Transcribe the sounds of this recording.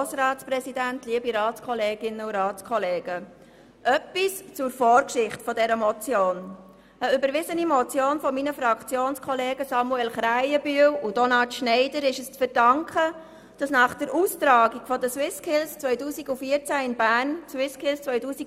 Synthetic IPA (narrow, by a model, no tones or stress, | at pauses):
sɾɑːsprɛsidæntliəbiɾɑːtt͡skʰɔleːɡɪnəuɾɑːt͡skʰɔleːɡ̥ə | ʔœpːist͡sʊɾfɔːɾkʃɪχtfɔdɛɾəmɔt͡sjoːn | əʏbəɾʋɪzənimɔt͡sjoːnfɔminəfɾɑkʰt͡sjoːnskʰɔleːɡəsɑmuɛlχɾæɪəbyəwudɔnɑtʃnɛɪdəɾɪʃəst͡sfəɾd̥ɑŋkχə | d̥ɑsnɑːχd̥əɾuːstɾɑːɡiɡfɔdəswɪskʰɪlst͡sʋœʏtuːsiɡufiəɾt͡sæɪnbæːrnswɪskʰɪlst͡sʋœʏtuːsi